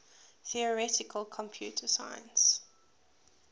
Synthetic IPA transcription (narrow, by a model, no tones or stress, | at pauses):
θiəɹɛtɪkʰəlˠkʰɔ̃mpʰj̥uːtʰəsã̰ɪ̃ns